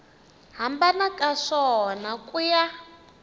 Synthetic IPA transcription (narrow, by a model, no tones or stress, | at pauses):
ɦambanakʼaʂɔnakʼuja